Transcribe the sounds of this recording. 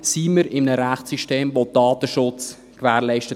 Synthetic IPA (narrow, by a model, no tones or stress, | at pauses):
siːməɾɪmənəɾæχtsiʃteːmʋod̥ɑːt̪əʃʊt͡s | kʋæːɾlɛɪʃtə